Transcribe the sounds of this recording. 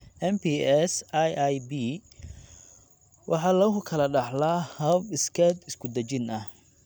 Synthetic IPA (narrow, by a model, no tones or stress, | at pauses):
ʔɛnpiːɛsajajbiː | wʔɑħɑːlɐɦʊkʰɐlɐɖɑħlaːhɐbɪskʰɛːd̪ɪskʰʊd̪ɐt͡ʃɪnɐh